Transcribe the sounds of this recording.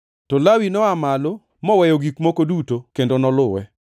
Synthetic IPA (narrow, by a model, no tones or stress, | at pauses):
tɔlawinɔamalo | mɔwɛjoɡikmokodutokendonɔlʊwɛ̰